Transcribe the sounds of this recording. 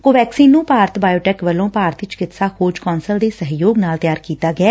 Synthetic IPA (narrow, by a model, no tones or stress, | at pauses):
koːʋɛːksiːnːũːpaːɾt̪baːjoːʈɛːkʋəlõːpaːɾt̪ɪt͡ʃkɪt̪saːkʰoːd͡ʒkɔːnsəld̪eːsəɦjoːɡnaːlt̪ɪjaːɾkiːt̪aːɡɛː